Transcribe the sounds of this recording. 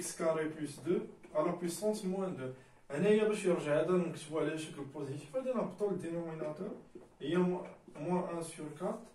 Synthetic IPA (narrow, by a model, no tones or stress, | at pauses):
kskaɾeplysd̪øaləʁpwisɑ̃smwæ̃nd̪ə | ʔænæjːæbæʃjəʁʒaʕæd̪æd̪ɔ̃kt̪vwalæʃəkəlpozit̪i̥fæd̪ænæbt̪okd̪enominat̪œʁəjːæmwæ̃ʔæ̃syʁkat̪